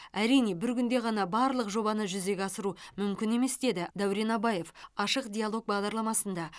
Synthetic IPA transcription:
æɾijne̞bɪɾkʲʏnd̪e̞ʁɑnɑbɑɾlˠəqʒo̞bɑnəʒʏze̞ɡʲɑsəɾumʏmkʲɪne̞me̞sd̪e̞d̪ɪd̪æwɾe̞nɑbɑje̞fɑʃəqdʲijalˠo̞k̚bɑʁd̪ɑɾlˠɑmɑsənd̪ɑ

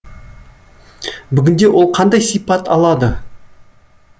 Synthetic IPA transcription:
bʏɡʲɪnd̪ewʔo̞lˠqʰɑnd̪ɑjsijpɑt̪ɑlˠɑd̪ə

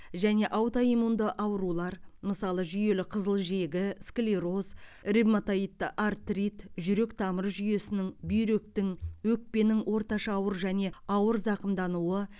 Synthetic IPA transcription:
ʒæne̞ʔɑwt̪ɑimund̪əʔɑwɾulˠɑɾməsɑlˠəʒʏje̞lɪqʰəzəlˠʒe̞ɡʲɪskʲlʲeɾo̞zribmat̪ait̪ːʔart̪rit̪ʒʏɾe̞kt̪ʰɑməɾʒʏje̞sɪnɪŋbʏjɾe̞k̚t̪ɪŋwɵk̚pe̞nɪŋwʔo̞ɾt̪ɑʃɑːwəɾʒæne̞ɑwəɾzɑqəmd̪ɑnuwə

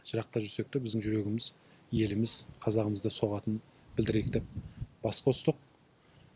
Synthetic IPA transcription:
ʒ̥əɾɑq̚t̪ɑʒʏse̞k̚t̪ɪbɪzd̪ɪŋʒʏɾe̞ɡʲɪmɪz | je̞lɪmɪzqʰɑzɑʁəməzd̪ɑso̞ʁɑt̪ən | bɪld̪ɪɾeɪk̚d̪e̞p̚bɑsqɑʊst̪əq̚

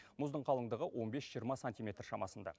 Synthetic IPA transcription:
mʊzd̪əɴqʰɑlˠəɴd̪əʁəwʔo̞nbe̞sʒijəɾmɑsanʲt̪ʲijmʲe̞t̪rʃɑmɑsənd̪ɑ̰

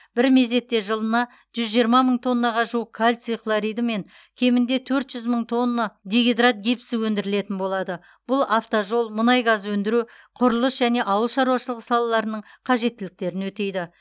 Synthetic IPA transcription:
b̥ɪɾme̞ze̞t̪ːe̞ʒəlˠənɑ | ʒ̥ʏzʒijəɾmɑməɴt̪ʰo̞nːɑʁɑʒuəkʰalʲt̪siklˠoɾijd̪me̞ŋ | kʲʰe̞mɪnd̪e̞t̪ʰɵɾt̪ʒ̥ʏzməɴt̪ʰo̞nːɑd̪ʲeɡʲed̪rat̪̚ɡʲipsɪwɵnd̪ɪɾɪle̞t̪ɪnbo̞lˠɑd̪ə | b̥ʊlˠaft̪oʒo̞lˠmʊnɑjɡɑzwɵnd̪ɪɾu | qʰʊɾəlˠəsʒæne̞ʔɑwəlˠʃɑɾuwɑʃəlˠəʁəsɑlˠɑlˠɑɾənəɴqʰɑʒe̞t̪ːɪlɪk̚t̪e̞ɾɪnwɵt̪e̞jd̪ɪ

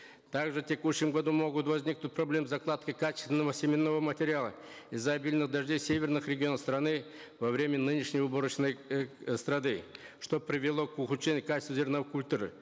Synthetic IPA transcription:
t̪aɡʐɨtʲekuɕːɪmɡɐd̪umo̞ɡʊt̪vɐzʲnʲik̚nʊt̚ʲprɐblʲemzɐklˠat̪kəkat͡ʃɪst̪vʲɪnːəvəsʲɪmʲɪnːovəmɐtʲɪɾʲɪalˠə | ɪzːɐɐbʲilʲnɨχd̪ɐʐdʲe̞jsʲe̞vʲernɨxɾʲeɡʲɪo̞nəfst̪ɾɐnɨvɐvɾʲe̞mʲənɨnʲɪʂnʲɪjʊboɾət͡ɕnəjst̪ɾɐd̪ɨʂt̪o̞pɾʲɪvʲɪlˠo̞kʊxʊt͡ʃːenʲɪjʊkat͡ɕɪ̥st̪vuzʲɪrnovkʊlʲt̪uɾɨ̰

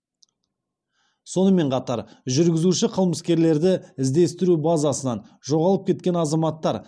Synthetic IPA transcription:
so̞nəme̞ɴqʰɑt̪ɑ̰ɾʒʏɾɡʲɪzuʃɪqʰəlˠməskʲe̞ɾle̞ɾd̪ɪɪzd̪e̞st̪ɪɾubɑzɑsənɑnʒo̞ʁɑlˠəp̚kʲʰe̞t̪kʲe̞nɑzɑmɑt̪ːɑɾ

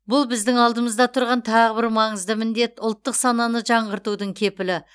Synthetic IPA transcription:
bʊlˠbɪzd̪ɪŋɑlˠd̪əməzd̪ɑt̪ʰʊɾʁɑnt̪ʰɑʁəbɪɾmɑɴəzd̪əmɪnd̪e̞t̪ʊlˠt̪ːəqsɑnɑnəʒɑɴʁəɾt̪ud̪əɴkʲʰe̞pɪlɪ

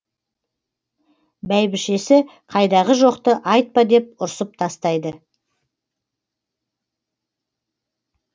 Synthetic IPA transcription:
bæjbɪʃe̞sɪ | qʰɑjd̪ɑʁəʒo̞qt̪əʔɑjt̪̚pɑd̪e̞p̚ʊɾsəp̚t̪ʰɑst̪ɑjd̪ə

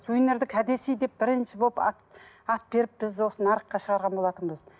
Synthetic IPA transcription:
sʰujɪnːe̞ɾd̪ɪkʲʰæd̪e̞sijd̪e̞p̚bɪɾɪnʃɪbolˠpɑ̰t̪ | ɑt̪̚be̞ɾɪp̚b̥ɪzwo̞sənɑɾəqːɑʃəʁɑɾʁɑnbo̞lˠɑt̪ənbəz

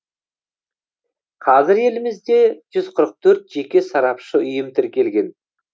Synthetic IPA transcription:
qʰɑzɪɾe̞lɪmɪzd̪e̞ʒ̥ʏzqʰəɾəq̚t̪ʰɵɾt̪ʒ̥e̞kʲe̞sɑɾɑpʃəʏjəmt̪ʰɪɾkʲe̞lɡʲe̞n

